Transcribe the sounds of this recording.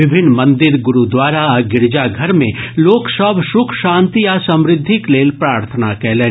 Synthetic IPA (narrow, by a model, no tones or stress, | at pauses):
ɪbʱɪnːmɐ̃nd̪ɪɾɡʊɾud̪waːɾaɡɪɾd͡ʒaɡʱɐɾmẽloːksəbʱʃʊkʰʃãːnt̪iasɐ̃mɾɪd̪ʱːɪkleːlpɾaːɾt̪ʰənakɛɦlẽː